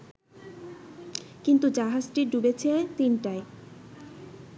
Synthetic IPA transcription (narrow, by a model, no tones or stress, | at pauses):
kint̪ud͡ʑaɦad͡ʑʈiɖubet͡ɕʰet̪inʈae